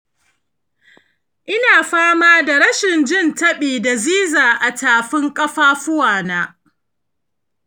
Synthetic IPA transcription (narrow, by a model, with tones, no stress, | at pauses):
ʔɪ˦naː˨ɸaː˦maː˦da˨ɽɐ˦ʃɪ˨nd͡ʒɪ˦˨ntɐ˦ɓiː˨da˨ziː˦zaː˨ʔa˨taː˨ɸɪ˦ŋkʼɐ˦ɸaː˦ɸʊ˦waː˨naː˦